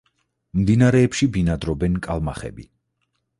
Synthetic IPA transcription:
md̪inaɾɛːpʃibinad̪ɾɔbɛnkʼalˠmaχɛ̰bḭ

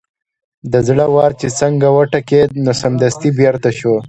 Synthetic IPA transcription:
d̪əzɽəwɑːɾt͡ʃet͡səŋɡawaʈaked̪nosɐmd̪ɐst̪ibjaɾt̪aʃo

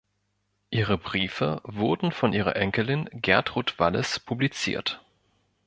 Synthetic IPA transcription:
ʔiːʁəbʁiːfəvʊɐdn̩fɔnʔiːʁɐ̰ʔɛŋkəlɪnɡɛɐtʁ̥utv̥aləspʰublit͡sḭːɐt

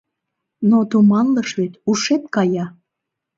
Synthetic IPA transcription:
not̪umɑnləʃβet̪uʃet̪̚kɑjɑ

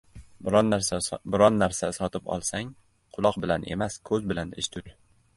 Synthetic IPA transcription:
bʊɾɒnːaɾsasɒt̪ʰɪpɒ̰lˠsaŋ | qʰʊlˠɒqbɪlanʔe̞̰maskʰɵzbɪlanɪ̰ʃt̪ʰʊt̪

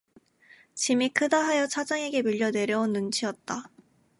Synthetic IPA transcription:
t͡ɕimikʰɯdaɦajʌt͡ɕʰad͡ʑaŋe̞ɡe̞miʎːʌne̞ɾjʌunːunt͡ɕʰiʌt̚t͈a

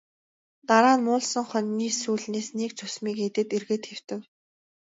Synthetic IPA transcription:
t̪aɾaːnmʊːɮsə̆ŋχœnːiːsuːɮneːsnekt͡ɕʰɵsmiːket̪ɘ̆t̪erɣeːt̪xew̥t̪ɘ̆w

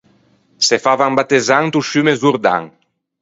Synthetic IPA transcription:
sefavaŋbat̪ezaŋt̪uʃymezuɾd̪a̰ŋ

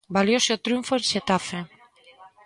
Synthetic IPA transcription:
baljoseot̪ɾjuɱfoenʃet̪afe

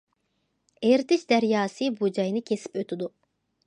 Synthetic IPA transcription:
eɾt̪ʰɪt͡ʃd̪æɾjɑːsɨbud͡ʒɑjnɨkʲʰesi̥pøt̪ʰyd̪u

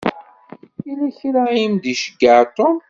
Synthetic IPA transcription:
ilæçɾaimd̪iʃəɡːəʕt̪ˤom

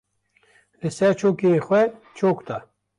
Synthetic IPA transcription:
lɪsɛɾt͡ʃʰoːkexwɛt͡ʃʰoːkt̪ʰa

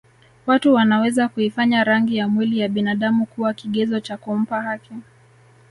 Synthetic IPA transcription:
watuwanawɛzakuifaɲaɾaŋɡijamwilijaɓinaɗamukuwakiɠɛzɔt͡ʃakum̩pahaki

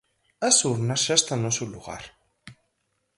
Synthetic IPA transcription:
asuɾnaʃast̪anosuluɣa̰ɾ

